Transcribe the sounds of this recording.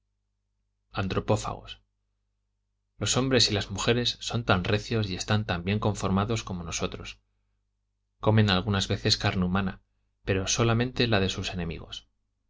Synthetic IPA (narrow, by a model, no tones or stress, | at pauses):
ant̪ɾo̞po̞fa̰ɣ̞o̞̰s | lo̞so̞mbɾe̞silazmuxe̞ɾe̞sːo̞nt̪anrʔe̞θjo̞sie̞st̪ant̪ambje̞ŋko̞ɱfo̞ɾmaðo̞sko̞mo̞no̞so̞t̪ɾo̞s | ko̞mẽ̞nalɣ̞unazβe̞θe̞skaɾneumãna̰ | pe̞ɾo̞so̞lamẽ̞nt̪e̞laðe̞suse̞nẽ̞mḭɣo̞̰s